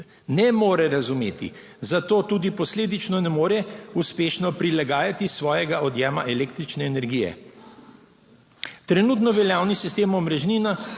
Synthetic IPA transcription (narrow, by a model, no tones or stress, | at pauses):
nɛmoːɾɛɾazumḛːt̪ḭ | zat̪oːt̪uːd̪ipɔsleːd̪it͡ʃnɔnɛmoːɾɛuspeːʃnɔpɾilaɡaːjat̪isʋɔːjɛɡaʔɔd̪jɛːmaʔɛleːkt̪ɾit͡ʃnɛːnɛɾɡiːjɛ̰ | t̪ɾɛnuːt̪nɔʋɛljaːwnisist̪eːmɔmɾɛʒniːna